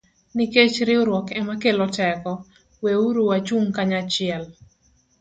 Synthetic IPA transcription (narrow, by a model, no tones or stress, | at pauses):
niket͡ʃɾɪoɾwɔkɛmakelɔtɛkɔ | weuɾuwat͡ʃuŋkaɲat͡ʃɪɛl